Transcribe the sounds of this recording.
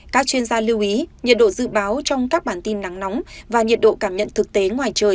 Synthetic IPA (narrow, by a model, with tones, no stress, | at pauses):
kaː˦˥k̚t͡ɕwi˧ənzaː˧li˧wʔi˨˦ɲi˨˩ət̚ɗo̰˧˨zɨ̰˧˨ɓaː˨˦wt͡ɕɔ˧wŋ͡mkaː˦˥k̚ɓaː˧˩nt̪i˧nːa˨˦ŋnɔ˨˦wŋ͡mvaː˨˩ɲi˨˩ət̚ɗo̰˧˨kaː˧˩mɲə̰˧˨nt̪ʰɨ˨˩k̚t̪e˨˦ŋwaː˨˩jt͡ɕəː˨˩j